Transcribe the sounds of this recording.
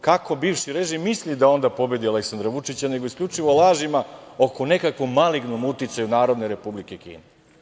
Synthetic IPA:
kako̞biːʋʃiɾeʒimːislid̪ao̞nd̪apo̞be̞d̪ialeksand̪ɾaʋut͡ʂit͡ɕane̞ɡo̞iskʎʲut͡ʂiʋolˠaːʒimao̞kone̞kakʋo̞mːaliɡnomut̪it̪sajunaːɾo̞d̪neɾe̞publikekḭːne

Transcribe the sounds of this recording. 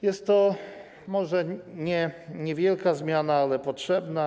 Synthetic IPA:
jɛst̪ːɔ | mɔʐɛɲɛɲɛvʲjɛlkazmʲjanaalɛpɔtʂɛbna

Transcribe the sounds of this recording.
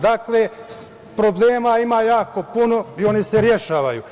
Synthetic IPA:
d̪akle | pɾo̞bleːmaimajaːko̞puno̞io̞niseɾje̞ʃaːʋajṵ

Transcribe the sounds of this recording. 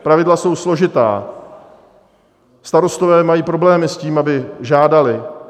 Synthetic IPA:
pɾavɪdlaso̞wslo̞ʒɪt̪a̰ː | st̪aɾo̞st̪ovɛːmajiːpɾo̞blɛːmɪsciːmʔabɪʒaːdalɪ

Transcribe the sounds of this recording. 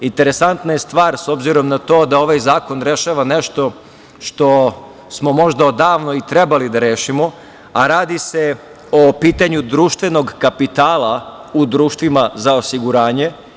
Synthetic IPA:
int̪e̞ɾe̞sant̪najest̪ʋaːɾso̞bziɾo̞mnat̪o̞ːd̪ao̞ʋajzaːko̞nɾe̞ʃaʋaneʃt̪o̞ | ʃt̪o̞ | smo̞mo̞ʒd̪aod̪aːʋnoit̪ɾe̞balid̪aɾe̞ːʃimo̞ | aɾaːd̪ise̞ | opiːt̪aɲud̪ɾuːʃt̪ʋe̞no̞ɡkapit̪aːlˠaud̪ɾuːʃt̪ʋimazaosiɡuɾaːɲe̞

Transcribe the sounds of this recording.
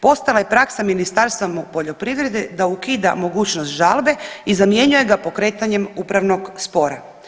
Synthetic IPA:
po̞st̪alajepɾaksaminist̪aɾst̪ʋamupo̞ʎo̞pɾiʋɾe̞d̪ed̪aukiːd̪a̰mo̞ɡuːt͡ɕnost̪ʒalˠbe̞izamje̞ɲuje̞ɡapo̞kɾe̞ːt̪aɲemuːpɾaʋno̞ɡspo̞ɾa̰

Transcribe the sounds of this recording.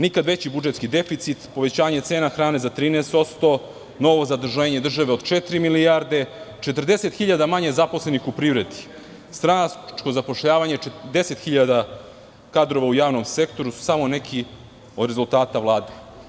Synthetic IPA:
nikad̪ʋe̞t͡ɕibud͡ʒe̞t̪skid̪e̞fit̪sit̪po̞ʋet͡ɕaːɲe̞t̪seːnaxɾaːne̞zat̪ɾiːnest̪o̞t̪st̪o̞ | no̞ʋo̞zad̪r̩ʒeːɲe̞d̪r̩ʒaʋe̞od̪t͡ʃet̪ɾimilijaɾd̪e̞t͡ʃet̪r̩d̪e̞se̞t̪xiʎad̪amaɲezapo̞sle̞nixupɾiʋɾed̪i̥ | st̪ɾat͡ʃko̞zapo̞ʃʎaːʋaɲeed̪e̞se̞t̪xiʎad̪a | kad̪ɾo̞ʋaujaːʋno̞mse̞kt̪o̞ɾusu̥samo̞ne̞kʰi | o̞d̪ɾezulˠt̪aːt̪aʋlˠaːd̪e̞

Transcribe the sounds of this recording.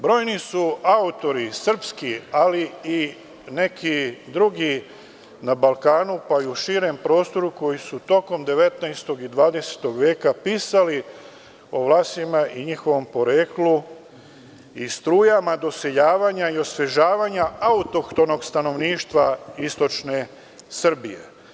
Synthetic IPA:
bɾo̞ːjnisuaut̪o̞ɾisr̩pskialii | ne̞kʰid̪ɾuɡi | nabalkaːnupaiuʃiːɾe̞mpɾo̞ːst̪o̞ɾuko̞jisut̪o̞ko̞md̪e̞ʋe̞t̪najst̪oɡid̪ʋaːd̪e̞se̥t̪o̞ɡʋje̞ːkapiːsali | o̞ʋlˠaːst̪imaʔiɲixo̞ʋo̞mpo̞ɾeːklu | ist̪ɾuːjamad̪o̞se̞ʎaːʋaɲaio̞sʋe̞ʒaːʋaɲaaut̪o̞kt̪o̞no̞ɡst̪ano̞ʋniːʃt̪ʋaist̪o̞t͡ʃne̞ | sr̩bije̞̰

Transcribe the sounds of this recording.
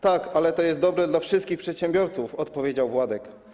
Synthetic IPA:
t̪akalɛt̪ɔjɛst̪d̪ɔbɾɛd̪lafʂɘst̪̚kʲixpʂɛt̪ɕɛmbʲjɔɾt̪sufɔt̪pɔvʲjed͡ʑawvwad̪ɛk

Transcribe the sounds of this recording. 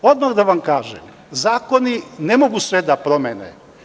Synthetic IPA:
od̪maɣd̪aʋamkaːʒḛm | zaːko̞ninemo̞ɡusʋed̪apɾo̞menḛ

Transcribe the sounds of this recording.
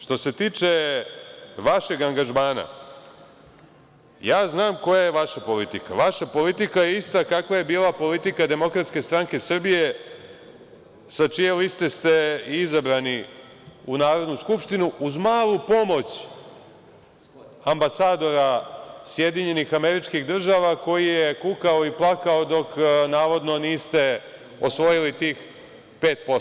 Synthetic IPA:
ʃt̪o̞se̞t̪iːt͡ʃe̞ | ʋaʃe̞ɡaŋɡaʒmaːna̰ | jaːznaːmko̞jajeʋaʃapo̞lit̪ika̰ʋaʃapo̞lit̪ikajeist̪akakʋaje̞biːlˠapo̞lit̪ikad̪e̞mo̞kɾat̪ske̞st̪ɾaŋke̞sr̩bije̞ | sat͡ʃijevist̪e̞st̪e̞izabɾani | unaːɾo̞d̪nuskupʃt̪inuuzmaːlˠupo̞mo̞t͡ɕ | ambasaːd̪o̞ɾasje̞d̪iɲe̞nixame̞ɾit͡ʃkiɣd̪r̩ʒaʋako̞jijekukaoiplˠakao̞d̪o̞knaːʋo̞d̪no̞niːst̪e̞ | osʋo̞jilit̪iːx | peːt̪̚po

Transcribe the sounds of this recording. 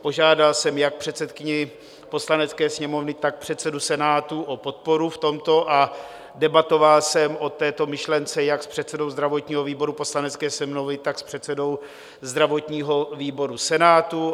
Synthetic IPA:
po̞ʒaːdalsɛmjak̚pr̥ɛt̪sɛt̪kɪɲɛ | po̞slanɛtt͡skɛːsɲɛmo̞vnɪt̪ak̚pr̥ɛt̪t͡sɛdusɛnaːt̪uʔopo̞t̪̚po̞ɾuft̪o̞mt̪o̞ʔa | dɛbat̪o̞valsɛmʔo̞t̪ːɛːt̪o̞mɪʃlɛnt͡sɛjakspr̥ɛt̪t͡sɛdo̞wzd̪ɾavo̞t̪ɲiːɦo̞viːbo̞ɾupo̞slanɛt͡skɛːsɛmnovɪt̪akspr̥ɛt̪t͡sɛdo̞w | zd̪ɾavo̞t̪ɲiːɦo̞viːbo̞ɾusɛnaːt̪u

